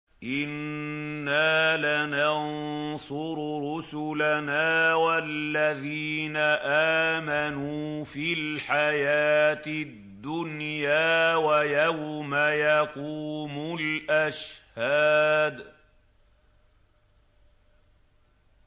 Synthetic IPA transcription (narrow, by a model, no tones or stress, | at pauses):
ʔɪnː | aːlanɑnsˤʊɾɾʊsʊlanaːwallːaðiːnaʔaːmanuːfilħajaːt̪ɪdd̪ːʊnjaːwajawmajaɑquːmʊlʔaʃhaːd̪